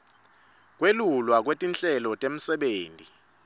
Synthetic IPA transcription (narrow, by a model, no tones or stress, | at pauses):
k̬welulwak̬wetʼint͡ɬʼɛlɔtʼem̩sɛɓeːntʼi